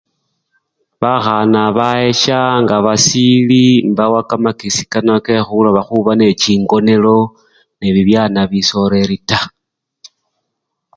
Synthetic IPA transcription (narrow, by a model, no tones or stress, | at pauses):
βaxanaβae̞ʃaŋɡaβasilimbawakamakisi̥kanakexulaβaxuβane̞t͡ʃiːŋɡo̞ne̞lo̞ | neβiβjanaβiso̞ɾe̞ɾita